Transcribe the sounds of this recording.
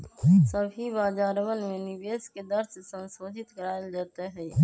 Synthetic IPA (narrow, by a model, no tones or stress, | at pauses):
səbʱɦibaːd͡ʒaːɾəʋənmẽnɪbeːsked̪əɾssə̃nsoːd̪ʱɪt̪kəɾaːeld͡ʒaːt̪eɦɛː